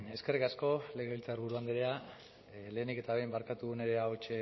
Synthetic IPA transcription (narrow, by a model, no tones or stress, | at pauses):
e̞ske̞rikasko̞leɣeilt͡saɾβuɾuand̪eɾea | le̞ːnike̞t̪aβe̞jmbaɾkat̪uɣune̞ɾe̞aot͡ʃe